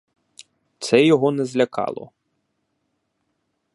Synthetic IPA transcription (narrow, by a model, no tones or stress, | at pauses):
t̪sɛjɔɦɔnɛzlʲɐkɑ̰lˠɔ̰